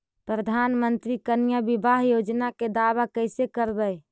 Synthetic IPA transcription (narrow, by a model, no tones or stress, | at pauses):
pɾəd̪ʱanmənt̪ɾikənijabibaɦjod͡ʒnaked̪aʋakəɪsekəɾbəj